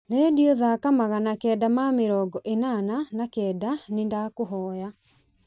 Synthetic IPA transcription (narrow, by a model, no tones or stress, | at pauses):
leːdiɔðakamaɣanakɛːdamameɾɔɡɔʔenananakɛːdanendakoɦɔːja